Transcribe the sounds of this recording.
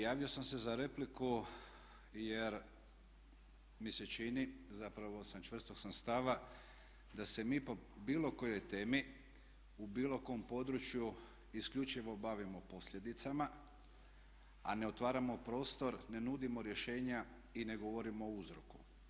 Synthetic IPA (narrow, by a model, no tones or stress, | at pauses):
jaːʋio̞samse̞zaɾe̞pliku | je̞ɾ | mise̞t͡ʃinizapɾaʋo̞samt͡ʃʋr̩st̪oksamst̪aʋa | d̪ase̞miːpo̞biːlo̞ko̞jo̞jt̪e̞ːmi | ubiːlo̞ko̞ːmpo̞d̪ɾut͡ʃju | isklʎut͡ʃiʋo̞baʋimo̞po̞slʎe̞d̪it̪sama | a̰ne̞o̞t̪ʋaːɾamo̞pɾo̞ːst̪o̞ɾne̞nuːd̪imo̞ɾje̞ʃe̞ːɲa | ine̞ɡo̞ʋo̞ɾimoouzɾoku̥